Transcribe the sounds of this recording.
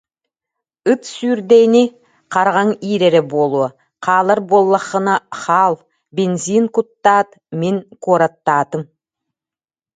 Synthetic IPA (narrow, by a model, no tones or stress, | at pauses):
ɯt̪syɾd̪ejni | qʰɑɾʁɑŋiɾeɾebolˠu | qʰɑːlˠɑɾbolˠːɑχːɯnɑχɑlˠ | bʲenzinkut̪ːɑːt̪ | meŋkoɾat̪ːɑːt̪ɯm